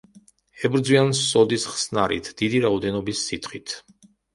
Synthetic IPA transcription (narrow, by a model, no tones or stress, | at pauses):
ɛbɾd̪zwiansɔd̪isχsnaɾḭt̪ʰd̪̥id̪iɾaɔd̪ɛnɔbisːit̪χit̪ʰ